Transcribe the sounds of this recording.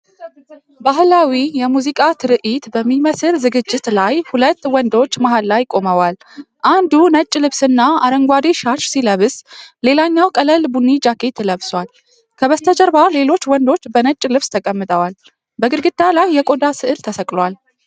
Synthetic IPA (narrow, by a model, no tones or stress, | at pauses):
baɦɨlawijɛmuzikʼat̪ʰɨɾɨʔit̪bəmːiməsɨɾzɨɡɨd͡ʒːɪt̪lajhulət̪ːwɔnd̪o̞t͡ʃːmaɦalːajkʼo̞məwal | ʔand̪unət͡ʃʼːlɨβsɨnːaaɾəŋɡʷad̪eʃat͡ʃsiləβɨsle̞laɲːawkʼələlbunːid͡ʒakʰe̞t̪ʰːɨləβswʷal | kʰəβəst̪ʰəd͡ʒəɾbale̞lo̞t͡ʃːwɔnd̪o̞t͡ʃːbənət͡ʃʼːlɨβst̪ʰəkʼəmːɨt̪ʼəwal | bəɡɨɾɡɨd̪̥alajːɛkʼo̞d̪asɨʔɨɾt̪ʰəsəkʼlwal